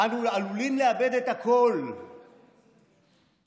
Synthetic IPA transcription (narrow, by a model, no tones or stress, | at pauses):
anulalulinlɛabed̪ɛtakʰol